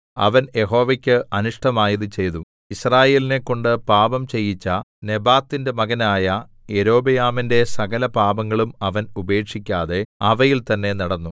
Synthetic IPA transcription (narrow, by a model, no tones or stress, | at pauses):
ɐ̰ʋɐnje̞ɦo̞ːʋɐkʲːɨʔɐnuʂʈɐmaːjɐðɨt͡ɕe̞jt̪u | israːje̞ːlinekːo̞ɳɖɨpaːbɐmt͡ɕe̞jːit͡ɕːɐne̞baːt̪ːinde̞mɐɣɐnaːjɐ | eɾo̞ːbɐjaːminde̞sɐɣɐlɐpaːbɐŋːɐɭumɐʋɐnube̞ːkʂikʲːaːðe̞ɐʋɐjilt̪ɐnːe̞nɐɽɐnːu